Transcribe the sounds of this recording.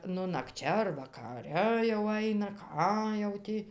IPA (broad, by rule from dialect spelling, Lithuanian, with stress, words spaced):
ˈnʊ nɐkˈt͡ʃʲɛ ɐr ʋɐkɐˈrʲɛ jɛʊ ˈɐɪnɐ ˈkɑː jɛʊ ˈtʲiː